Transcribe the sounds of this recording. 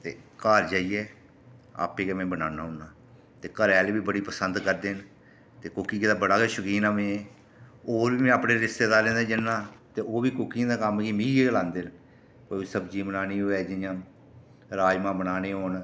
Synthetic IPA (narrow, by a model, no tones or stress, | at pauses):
t̪ḛːkaːɾd͡ʒaːiːɛː | a̰ːpeːkɛːmɛ̃ːbənaːnaːɦʊnaː | t̪eːkəɾɛːlːbiːbəɽiːpəsənd̪kəɾd̪eːn | t̪eːkʊkiːkɪd̪aːbəɽaːkeːʃʊkiːnaːmẽːẽː | oːɾʋiːmɛ̃ːaːpɽeːɾɪst̪eːd̪aːɾẽːnd̪eːd͡ʒɪnːãːt̪eːoːʋiːkʊkːiːãːd̪aːkəmkiːmĩːeːɡəlãːnd̪eːn | koːsəbd͡ʒiːmnaːniːɦoːɛːd͡ʒɪjãː | ɾaːd͡ʒmãːbənaːneːɦoːn